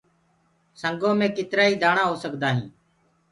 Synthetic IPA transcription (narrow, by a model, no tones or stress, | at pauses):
səŋɡõːmẽːkɪt̪ɾaːiːd̪ʱaːɳãːɦoːsəkd̪aːɦḭ̃ː